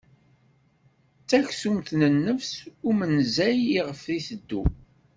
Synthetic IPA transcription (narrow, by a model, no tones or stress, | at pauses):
t͡sːæçsumθnənːəfsʊmənzæjiʁəfðisəd̪ːu